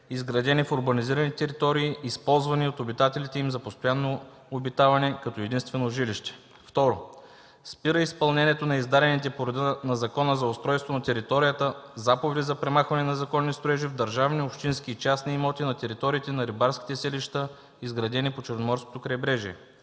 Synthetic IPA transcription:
izɡɾɐd̪ɛnifoɾbɐniziɾɐnit̪ɛɾit̪ɔɾiːspɔlˠzvɐniot̪obit̪at̪ɛlit̪ɛimzɐpost̪ojanːoː | bit̪avɐnɛkɐt̪ɔɛd̪inst̪vɛnoʒiliʃt̪ɛ̥ | ft̪ɔɾo | spiɾəispɐlˠnɛnʲɛt̪onɐizd̪aɾʲɛnit̪ɛpoɾɐd̪ənɐzɐkɔnəzɐost̪ɾɔjst̪vonɐt̪ɛɾit̪ɔɾijət̪əzapovɛd̪izɐpɾɛmaxvɐnɛnɐzɐkɔnːist̪oɾɛʒivd̪ɐɾʒavniopʃt̪insk̟ʲiːt͡ʃasniːmɔt̪inɐt̪ɛɾit̪ɔɾiːt̪ɛnɐɾibaɾsk̟ʲi̥t̪ɛsɛliʃt̪ə | izɡɾɐd̪ɛnipot͡ʃɛɾnomɔɾsko̥t̪okɾɐjbɾɛʒiɛ

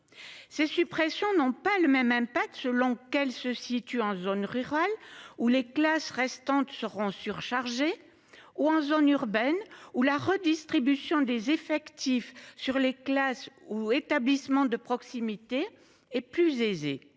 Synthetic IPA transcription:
sesypχesjɔ̃nɔ̃paləmɛmɛ̃pak̚t̪səlɔ̃kɛlsəsit̪yɑ̃zonʁyʁaluleklasʁɛst̪ɑ̃t̪səʁɔ̃syʁʃaʁʒe | uɑ̃zonyʁbɛnulaʁəd̪ist̪χibysjɔ̃d̪ezefɛkt̪ifsyʁleklasuet̪ablismɑ̃d̪əpχɔksimit̪e | ɛplyzezḛ

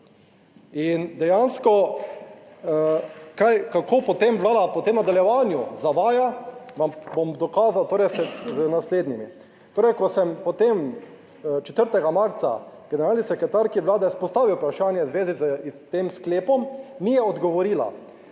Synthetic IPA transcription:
ind̪ɛjanskɔ | kajkakʰoːpɔt̪emʋlaːd̪apɔt̪eːmnad̪aljɛʋanjuzaʋaːjaʋambomd̪ɔkaːzawt̪oːɾɛjsɛznasleːd̪nimi | t̪oːɾɛjkɔsɛmpɔt̪em | t͡ʃɛ̥t̪əɾt̪ɛɡamaɾt̪sa̰ɡ̥ɛnɛɾaːlnisɛkɾɛt̪aɾkiʋlaːd̪ɛspɔst̪aːʋiwpɾaʃaːnjɛzʋeːzizst̪eːmskleːpɔmːijɛɔd̪ɡɔʋɔɾiːla̰

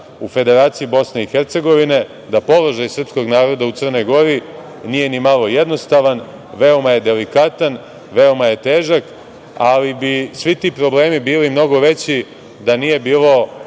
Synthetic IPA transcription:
ufe̞d̪e̞ɾaːt̪siibo̞sne̞ixeɾt̪se̞ɡo̞ʋine̞ | d̪apo̞lˠo̞ʒajsr̩psko̞ɡnaːɾo̞d̪aut̪sərno̞jɡo̞ɾi | nije̞nimalo̞je̞d̪no̞st̪aʋan | ʋe̞o̞maje̞d̪e̞likat̪an | ʋe̞o̞maje̞t̪eːʒak | alibisʋit̪iːpɾo̞ble̞ːmibiːlimno̞ɡo̞ʋe̞t͡ɕi | d̪anije̞biːlo̞

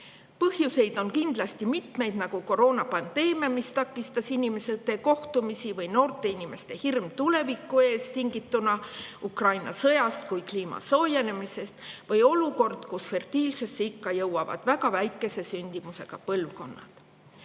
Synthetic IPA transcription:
pɤhjuse̞jd̪̥o̞nkind̪lɑst̪imit̪me̞jd̪̥nɑɡ̥uko̞ɾo̞ːnɑpɑnd̪̥e̞ːmemist̪ɑkːˑist̪ɑsinime̞set̪ːe̞ko̞ht̪umisivɤjno̞ːrt̪ˑe̞inʲime̞st̪e̞hirmt̪ule̞vikːˑue̞ːst̪iŋɡit̪ːunɑukrɑjnɑ̰sɤjɑst̪̚kujkliːmɑ̰so̞ːje̞le̞mise̞st̪vɤjo̞luko̞rd̪̥kusfe̞rt̪iːlse̞sːeikːɑjɤwɑvɑ̰d̪̥væɡɑvæjkːˑe̞se̞synʲd̪̥imuse̞ɡ̥ɑpɤlvko̞nːɑ̰d̪̥

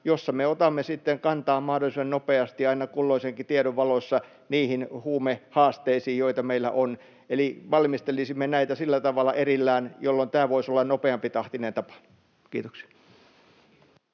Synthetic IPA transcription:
josːɑmeot̪ɑmːesit̪ːeŋkɑnt̪ɑːmmɑhdolisennopeɑst̪iɑinɑkulːoiseŋkit̪ieɾoʋʋɑlosːɑ | niːhinhuːmehɑːst̪eisiːjjoit̪ɑmeilːæ̰ʔon | eliʋɑlmist̪elisimːenæit̪æsilːæt̪ɑʋɑlːˑɑ̰ʔerilːæːnjolːont̪æːʋoisolːɑnnopeɑmpit̪ɑht̪inent̪ɑpɑ̥ | kḭːt̪oksi̥ɑ

